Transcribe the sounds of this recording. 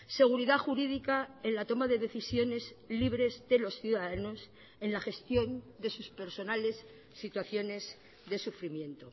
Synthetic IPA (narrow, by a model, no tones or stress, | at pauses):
se̞ɣ̞uɾiðaxuɾiðikaenlat̪o̞maðe̞ðe̞θisjo̞ne̞zliβɾe̞zðe̞lo̞sθjuðaðano̞s | e̞nlaxe̞st̪jo̞nd̪e̞suspe̞ɾso̞nale̞sː | it̪waθjo̞ne̞z | ðe̞sufɾimjẽ̞nt̪o̞